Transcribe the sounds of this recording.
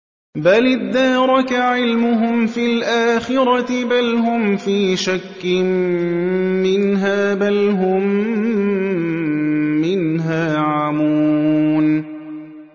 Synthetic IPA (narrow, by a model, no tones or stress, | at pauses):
balɪd̪ːaːɾˤɑkaʕɪlmʊɦʊmfilʔaːxɪɾɑt̪ɪbalɦʊmfiːʃakːɪn | mɪnɦaːbalɦʊm | ɪnɦaːʕamuːn